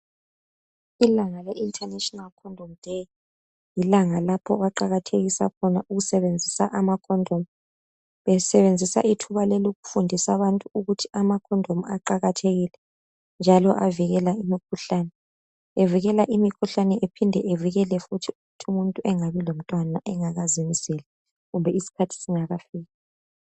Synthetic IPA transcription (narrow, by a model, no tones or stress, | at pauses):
ilaŋaleʔintʰʼanɛtʼɔnalkʰɔndʱɔmd̥ʱej | jilaŋalapʰɔɣaǃaɣatʰeɣisa̰kʰɔnaʔuɣusɛβend͡zʱisa̰ʔamakʰɔndʱomu | βɛsɛβend͡zʱisa̰ʔitʰuβalɛloɣufundʱisaβantʼuuɣutʰi̥amakʰɔndʱomuaǃaɣatʰeɣilɛ | nd͡ʒʱalɔʔaviɣɛlaimikʰuɬaːnɛ | eviɣɛlaʔimikʰuɬanɛʔepʰindʱɛʔeviɣɛlɛfutʰiuɣutʰiumuntʼuʔɛŋaβilom̩tʼwanaʔɛŋaɣazimisɛlɛ | ɣumbʱɛisi̥kʰatʰi̥siŋaɣafiːɣa